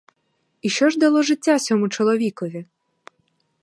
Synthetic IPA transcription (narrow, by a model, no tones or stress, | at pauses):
iʃt͡ʃɔʒd̪ɐlˠɔʒɪtʲːasʲɔmʊt͡ʃɔlˠɔʋʲikɔʋʲi